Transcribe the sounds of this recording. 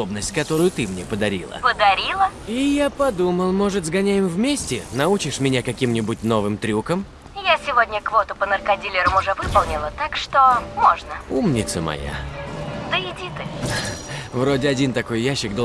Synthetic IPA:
obnəsʲtʲkɐt̪o̞ɾʊjʊt̪ɨmnʲepəd̪ɐɾʲḭlˠə̰pəd̪ɐɾʲilˠəijapɐd̪uməlˠmo̞ʐɨt̪zɡɐnʲajɪmvmʲesʲtʲɪnɐut͡ɕɪʂmʲɪnʲakɐkʲimnʲɪbʊtʲno̞vɨmt̪ɾʲukəm | jasʲɪvodʲnʲəkvo̞t̪ʊpənərkɐdʲilʲɪɾəmʊʐɛvɨpəlˠnʲɪlˠət̪akʂt̪omoʐnəumnʲɪt̪səmɐ̰ja̰d̪əɪdʲit̪ɨ | vɾo̞dʲɪɐdʲint̪ɐko̞jjaɕːɪɡd̪o

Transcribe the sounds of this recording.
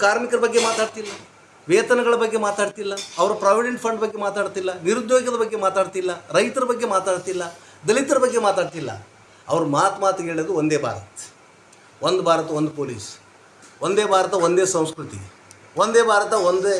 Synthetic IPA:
kaːɾmikɐɾɐbɐɡːemaːt̪aːɖt̪ilːɐ | ʋeːt̪ɐnɐɡɐɭɐbɐɡːe̞maːt̪aːɖt̪ilːɐɐʋɐɾɐpɾaːʋiɖeɳʈpʰɐɳɖbɐɡːe̞maːt̪aːɽt̪ilːɐniɾud̪ːjoːiɡɐd̪ɐbɐɡːe̞maːt̪aːɖt̪ilːɐɾɐjt̪ɐɾɐbɐɡːemaːt̪aːɖt̪ilːɐ | d̪ɐlit̪ɐɾɐbɐɡːe̞maːt̪aːɖt̪ilːɐ̰ | ɐʋɐɾumaːt̪maːt̪keːɭoːd̪uond̪eːbʱa̰ːɾɐt̪ɐ̥ | ond̪ubʱaːɾɐt̪ɐond̪upoːliːs | ond̪eːbʱaːɾɐt̪ɐond̪e̞ːsɐ̃w̃skɾut̪ḭ | ond̪eːbʱaːɾɐt̪ɐond̪e

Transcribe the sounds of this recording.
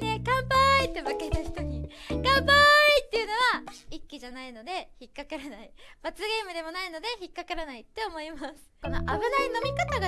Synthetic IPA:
ne̞ɡãmbait̪ːe̞mɯ̟ket̪açi̥t̪o̞ɲ̟iɡ̥ãmbait̪ːeɯ̟no̞βaikʲːiʑanaino̞d̪e̞çikːakaɾanaib̥at͡sɨɡe̞ːmɯ̟d̪e̞mo̞naino̞d̪e̞çikːakaɾanait̪ːe̞o̞mo̞imasɨ̥ko̞no̞̰ʔabɯ̟naino̞mʲikat̪aɡa

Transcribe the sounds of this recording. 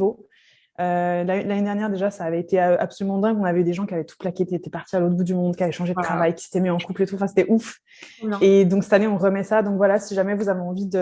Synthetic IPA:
o | ølalaned̪ɛʁnjɛʁd̪eʒasaːvɛet̪eøʔa̰psɔlymɑ̃d̪ɛ̃kɔ̃navɛyd̪eʒɑ̃kʲiavɛt̪u̥plakʲɛiet̪ɛpaʁt̪ialot̪χbud̪ymɔ̃d̪kʲiavɛʃɑ̃ʒed̪ət̪χavajkʲi̥se̥t̪ɛmiɑ̃kuplet̪uɑ̃fɛ̃se̥t̪ɛʔuf | ed̪ɔ̃ksɛ̥t̪aneɔ̃ʁəmɛsad̪ɔ̃kvwalasiʒamɛvuzaveɑ̃vid̪ə

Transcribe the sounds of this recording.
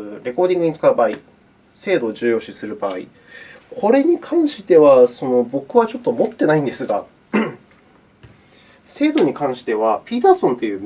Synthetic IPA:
ɾe̞ko̞ːd̪ʲĩŋɡɯ̟ɲ̟it͡sɨ̥kaɯ̟baːi | se̞ːd̪o̞ːʑɨːjo̞ːɕisɨɾɯ̟baːḭ | kʰo̞ɾe̞ɲ̟ikʰãɰ̃ɕi̥t̪e̞βaso̞no̞bo̞kɯ̟βat͡ɕo̞t̪ːo̞mo̞t̪ːe̞naĩnd̪e̞sɨɡa | se̞ːd̪o̞ɲ̟ikãɰ̃ɕi̥t̪e̞β̞apʲiːt̪aːsõ̞nt̪o̞jɯ̟ːm

